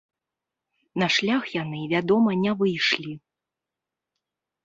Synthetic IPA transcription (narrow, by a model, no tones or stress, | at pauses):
nɐʂlʲaxjanɨvʲad̪ɔmɐnʲɛvɨjʂlʲi